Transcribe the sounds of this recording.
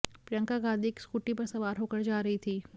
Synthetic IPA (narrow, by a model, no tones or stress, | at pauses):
pɾijə̃ŋkaɡãːd̪ʱikskuːʈipɐɾsɐʋaːɾɦoːkəɾd͡ʒaːɾɐɦit̪ʰiː